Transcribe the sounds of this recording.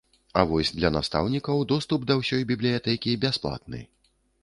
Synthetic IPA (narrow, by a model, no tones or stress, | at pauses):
avɔsʲd̪lʲɐnast̪a̰wnʲikɐwd̪ɔst̪upd̪ɐwsʲɔjbʲiblʲijat̪ɛkʲibʲasplˠa̰t̪̚nɨ̰